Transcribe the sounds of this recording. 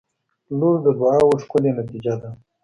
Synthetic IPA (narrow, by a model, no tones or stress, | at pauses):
luɾd̪əbaawoʂqʊlenat̪id͡ʒad̪a